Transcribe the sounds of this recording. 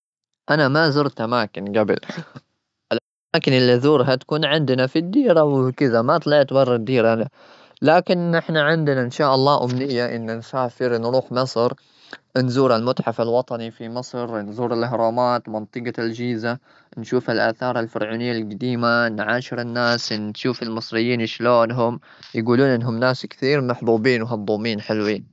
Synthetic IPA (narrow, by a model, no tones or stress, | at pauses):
ʔanamazʊɾt̪ʔamaːkɪnɡabɪ̰l | ʔɪlʔamaːkɪnɪlːiðuːɾɦat̪ḁkuːnʕɪnd̪nafid̪ːiːɾawkɪðamat̪ˤlɑʕt̪bɑrˤːɑd̪ːiːɾana | laːkɪnʔɪħnaʕɪnd̪naʔɪnʃaːʔɑlˤːɑːʔʊmnɪjːaʔɪnːansaːfɪɾnɾuːħmɨsˤɾ | ʔnzuːɾɪlmʊt̪ħafalwɑt̪ˤɑnifimɨsˤɾnzuːɾɪlʔɦɾˤɑːmaːt̪mɑnt̪ˤɨɡɑld͡ʒiːza | nʃuːfalʔa̰ːθɑːɾˤalfɪɾʕuːnɪjːalɡad̪iːmanʕaːʃɪɾɪnːaːsnʃuːfɪlmɨsˤɾɪjːiːnɪʃloːnɦʊm | jɡuːluːnʔɪnːɦʊmnaːskθiːɾmaħbuːbiːnwɦɑd̪ˤːuːmiːnħɪlwiːn